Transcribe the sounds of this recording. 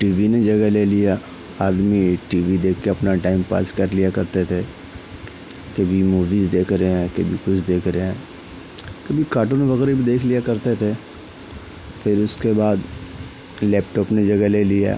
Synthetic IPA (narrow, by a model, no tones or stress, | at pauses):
ʈiːʋined͡ʒɐɡɛleːlija | aːd̪miʈiːʋid̪eːkʰkeɐpnaʈaːɪmpa̰ːskɐɾlijakɐɾt̪et̪ʰe | kɐbʱimuːʋizd̪eːkʰɾəeɦɛ̃kɐbʱikʊt͡ʃʰd̪eːkʰɾɐeɛ̃ | kɐbʱikaːʈʊnʋɐɣɛːɾebʱid̪eːkʰlijakɐɾt̪et̪ʰe | fʰɪɾʊskebaːd̪ | lɛːpʈɔːpned͡ʒɐɡɛleːlija̰ː